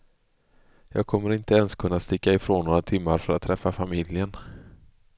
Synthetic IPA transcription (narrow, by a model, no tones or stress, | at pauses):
jɑːɡ̚kʰɔmːəɾɪnt̪əɛnskʰɵnːast̪ɪkːaɪfɾoːnːoːɾat̪ʰɪmːaɾfœɾat̪ʰːɾɛfːafamɪljən